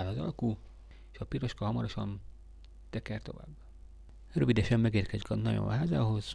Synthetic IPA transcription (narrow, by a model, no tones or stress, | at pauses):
lɒzɒ̰lku | eʃɒpiɾo̞ʃkɒɦɒmɒɾo̞ʃɒn | t̪ɛkɛrt̪o̞̰va̰ːbː | røvid̪ɛʃɛmːɛɡeːrkɛzikɒnɒjo̰nɦaːza̰ːɦo̞z̥